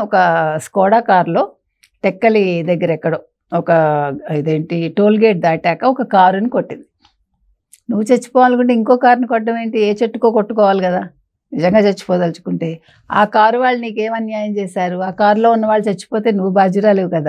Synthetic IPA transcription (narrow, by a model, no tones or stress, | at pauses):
ɔkɐskɔːɽaːkaːɾlo̞ː | ʈɛkːɐlid̪ɐɡːɐɾɛkːɐɽo | ɔkɐid̪eːɳʈiʈo̞ːlɡeːʈ̚d̪aːʈɛːkɐɔkɐkaːɾunikoʈːind̪i | nuʋːut͡ʃet͡ʃːu̥pɔːʋaːlkuɳʈeiŋkoːkaːɾunikɔʈːɐmeːɳʈieːt͡ʃeʈːukoːkoʈːukɔːʋaːlikɐd̪aː | nid͡ʒɐŋɡaːt͡ʃet͡ʃːu̥pɔːd̪ɐlt͡ʃu̥kuɳʈe̞ː | aːkaːɾuʋaːɭːɐniːkeːmɐnjaːjɐmt͡ʃeːʃaːɾuaːkaːɾlo̞ːunːɐʋaːɭːɐt͡ʃet͡ʃːu̥poːt̪e̞ːnuʋːubaːd͡ʒuɾaːleʋukɐd̪aː